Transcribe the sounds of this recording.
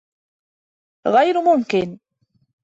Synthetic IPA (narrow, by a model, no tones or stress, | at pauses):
ɣajɾmʊmkɪn